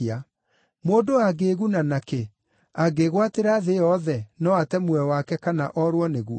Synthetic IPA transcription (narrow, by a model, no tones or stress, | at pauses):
a | moːdoaɡeɣunanake | aɡeɣwateɾaðeɔðɛnɔatɛmwɛwakɛkanaʔɔɾwɔneɣuɔ̰